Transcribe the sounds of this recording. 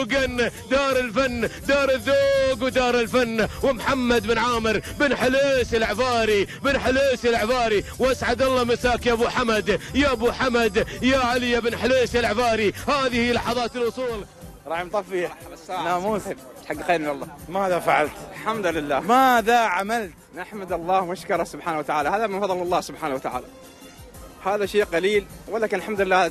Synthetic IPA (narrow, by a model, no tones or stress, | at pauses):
ɡand̪ɑːɾˤɪlfanːd̪ɑːɾˤɪðːoːɡwd̪ɑːɾˤɪlfanːwɪmħamːad̪bɪnʕaːmɪɾbɪnħɪleːsɪlʕfɑːɾibɪnħɪleːsɪlʕfɑːɾiwʔasʕad̪ɑlˤːɑmɪsaːkjʔabuħamad̪jaʔabuħamad̪jaʕalɪjabɪnħɪleːsɪlʕfɑːɾihaːðihijːlɑħɑðˤɑːt̪ɪlʔʊsˤuːl | ɾˤɑːħɪmt̪ˤɑfisːaːamuːzɪb | t̪ħaɡːxaːmɪnɑlˤːɑːmaːðafaʕalt̪lħamd̪lɪlːaːmaːðaʕamalt̪naħmad̪ɑlˤːɑːhmaʃkɑɾˤɑhsʊbħaːnawat̪aʕaːlahaːðamɪnfɑðˤːɨlɑlˤːɑːhsʊbħaːnawat̪aʕa̰ːla | haːðaʃeːqɑliːlwalːaːkɪnɪlħamd̪lɪlːaː